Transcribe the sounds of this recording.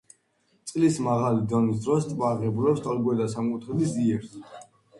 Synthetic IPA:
t̪sʼlismaʁalid̪ɔnis̬d̪ɾɔst̪ʼvaːʁɛbulɛpst̪ʼalɡuɛd̪asamkʼut̪ʰɛb̪isiɛɾs

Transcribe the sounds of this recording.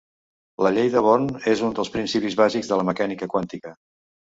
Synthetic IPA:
ləʎejðəβ̞onezund̪əlˠspɾinsipizβaziɡzðələməkanikəkwant̪ikə

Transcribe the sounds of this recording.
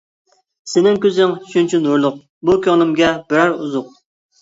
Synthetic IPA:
sɪnɪŋkʲøzɪŋʃynt͡ʃʰinuɾlˠʊq̚ | bukʲʰøŋlˠɪmɡʲɛbɪɾæɾuzʊq̚

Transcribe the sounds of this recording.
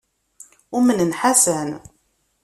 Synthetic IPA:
ʊmənənħasən

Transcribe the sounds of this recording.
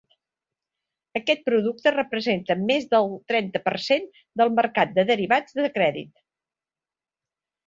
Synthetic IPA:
əkɛt̪̚pɾuðuk̚t̪ərəpɾəzent̪əmezðəlˠt̪ɾɛnt̪əpərsen | d̪əlˠməɾkat̪̚d̪əðəɾiβad͡zðəkɾɛðḭt̪̚

